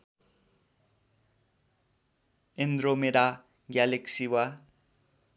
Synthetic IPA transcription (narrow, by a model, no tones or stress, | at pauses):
end̪ɾomeɾa | ɡaleksiwa